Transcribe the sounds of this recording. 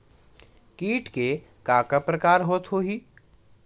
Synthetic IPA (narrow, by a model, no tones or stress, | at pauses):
kiːʈke | kaːkapɾəkaːɾɦoːt̪ɦoɦiː